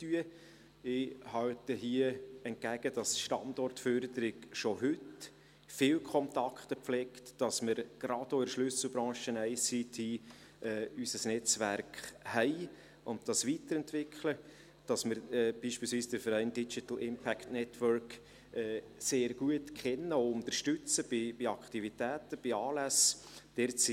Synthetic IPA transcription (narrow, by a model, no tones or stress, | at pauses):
tyə | ɪhɑltəɦiəɛnt̚ɡæɡ̥əd̥ɑsʃtɑ̰ndɔrtfœɾdəɾɪɡʃoɦʏt | fɪwkʰɔntɑkχtəpflɛktːɑsməɾɡ̥ɾɑd̥oɪɾʃlʏsl̩bɾɑ̃ːʃənæɪsitʰi | ʔɛːysəsnɛt͡sʋæɾkχhɛɪ | ʊnt̚d̥ɑsʋit̪əɾɛntʋɪkχlə | d̥ɑsməɾɛb̥iːʃpilsviːsd̥əɾfəɾɛɪndit͡ʃit̪l̩ɪmpʰæktnɛtʰʋœɾk | ɛː | seːɾɡ̥uətkʰɛnːəoʊnt̪ərʃtʏt͡səb̥ɪbiɑktivitæːtəb̥ɪɑːlæsd̥ɛɾt͡si